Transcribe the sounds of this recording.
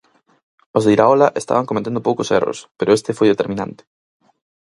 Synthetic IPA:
ozðeiɾaolaʔest̪a̰βaŋkomet̪end̪opowkosḛro̰speɾoest̪efojðet̪eɾmĩnã̰nt̪ɪ̥

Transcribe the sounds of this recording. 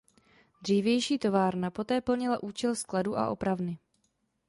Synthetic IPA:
d̪r̝iːvjɛjʃiːt̪o̞vaːɾnapo̞t̪ɛːpl̩ɲɪlaʔuːt͡ʃɛlskladuːʔa̰ʔo̞pɾavnɪ

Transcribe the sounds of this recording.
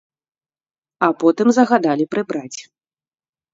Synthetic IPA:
apɔt̪ɨmzɐɣad̪alʲipɾɨbɾat͡sʲi̥

